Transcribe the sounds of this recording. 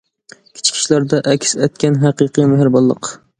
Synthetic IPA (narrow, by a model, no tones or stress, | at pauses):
kʲʰɪ̥t͡ʃʰɪ̥kʲʰɪ̥ʃlaɾd̪aʔakʲʰsat̪̚kʲanɦɑqɨqɨmaɦɪɾbɒlˠːɨ̰q